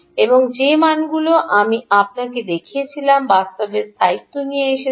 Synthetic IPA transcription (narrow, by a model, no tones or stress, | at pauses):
eboŋd͡ʑemanɡuloʔamiap̚naked̪ekʰiet͡ɕʰilambast̪obeɾsajt̪ːonijeeʃe